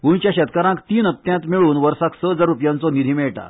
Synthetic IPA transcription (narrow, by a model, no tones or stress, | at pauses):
ʋuɳt͡ɕjaɕɛt̪kəɾãŋkt̪iːnəp̚t̪jãnt̪meɭuːnʋəɾsaksəd͡zaɾupjãnt͡sɔnid̪ʱiːmeɭʈa̰